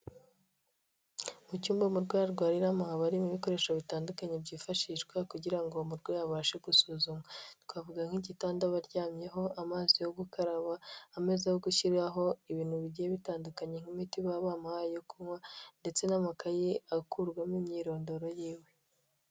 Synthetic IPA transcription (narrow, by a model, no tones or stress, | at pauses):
mucuːmbamuɾɡwejaɾɡwaːɾiɾamahaβaɾimuβiko̞ɾe̞ːʃaβitaːndukaɲe̞bɟiːfaʃiːʃɡwakuɟiɾaŋɡo̞muɾɡwejaβaːʃe̞ɡusuːzumatwaːvuɡaŋ̥hiɟitaːndaβaɾɟaːmɲe̞ɦo̞ʔamaːzijo̞ɡukaɾaβaːme̞zejoɡuçiɾɡaɦo̞iβiːn̥huβiɟijeβitaːndukaɲe̞ŋ̥himitiβaβamahajokumwande̞t͡se̞namakajiakuɾɡwamimɲiːɾo̞ːndo̞ɾojiːwe̞